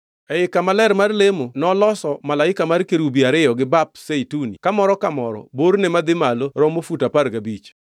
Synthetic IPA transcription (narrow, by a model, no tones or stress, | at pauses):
ɛɪkamalɛrmarlemonɔlɔsɔmalaɪkamarkeɾubiaɾɪjɔɡɪbap̚setunḭkamɔɾɔkamɔɾɔ̰boɾnɛmad̪ɪmaloɾɔmofutaparɡabit͡ʃ